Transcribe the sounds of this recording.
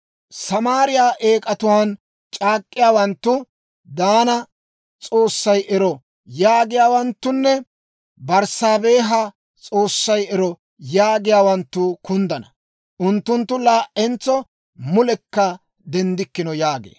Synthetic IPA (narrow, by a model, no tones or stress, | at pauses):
sɐmaːɾɪjaːʔeːkʼɐt̪ʊwaːn | t͡ʃʼaːkʼːɪjaːwɐnt̪ːʊ | d̪aːnɐ | t͡sʼo̞ːsːɐjʔɛɾɔ | jaːɡɪjaːwɐnt̪ːʊnːɛ | bɐɾsaːbeːɦɐ | t͡sʼo̞ːsːɐjɛɾɔ | jaːɡɪjaːwɐnt̪ːʊkʊnd̪ɐnɐ | ʔʊnt̪ːʊnt̪ːʊlaːʔɛnt͡sːɔ | mʊlɛkːɐ | d̪ɛnd̪ɪkːɪnɔjaːɡḛː